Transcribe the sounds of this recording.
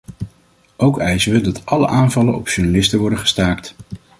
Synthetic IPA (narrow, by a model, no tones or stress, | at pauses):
ʔowkɛjzəʋədɑtʔɑlə̰ʔaːnvɑlənɔ̰pʃuɹnalɪstəʋɔɹdəχə̥staːkt